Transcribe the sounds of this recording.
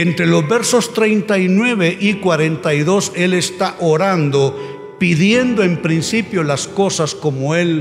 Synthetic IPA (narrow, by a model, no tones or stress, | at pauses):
ent̪ɾelo̞zbeɾso̞st̪ɾejnt̪ainwe̞βeʔikwaɾe̞nt̪ajðo̞se̞lest̪aʔoɾand̪o | piðje̞nd̪oempɾinsipjolasko̞sasko̞moel